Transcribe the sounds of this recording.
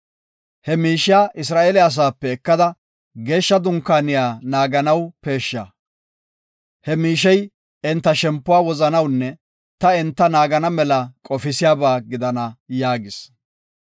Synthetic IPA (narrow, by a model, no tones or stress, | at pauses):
hɛmiːʃɪaːʔɪs̬ɾaːʔeːlɛɐs̬aːpːɛːkːɐd̪ɐ | ɡe̞ːʃːɐd̪ʊŋkːaːnɪjaːnaːɡɐnɐwpe̞ːʃːa̰ː | hɛmiːʃɛj | ɪnt̪ːɐʃɛmpːʊwaːwɔzɐnɐwnːɛ | t̪ɐɛnt̪ːɐnaːɡɐnɐmɛlɐkʼɔfɪsɪjaːbaːɡɪd̪ɐnɐjaːɡɪs